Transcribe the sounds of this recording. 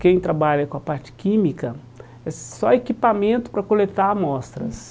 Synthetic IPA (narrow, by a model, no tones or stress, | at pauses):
kẽj̃t̪ɾabaʎɐkõɐpaɾt͡ʃɪ̥kĩmikɐ | ɛsɔekipamẽnt̪ʊ̥pɾɐkolet̪amɔst̪ɾɐs